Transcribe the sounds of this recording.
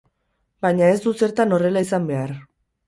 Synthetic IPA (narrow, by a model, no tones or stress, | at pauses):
baɲae̞zd̪use̞ɾt̪ano̞re̞laisambe̞aɾ